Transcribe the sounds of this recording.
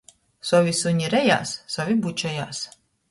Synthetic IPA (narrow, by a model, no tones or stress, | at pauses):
sɔvisuɲʲiɾɛja̰ːsːɔvibut͡ʃɛja̰ːs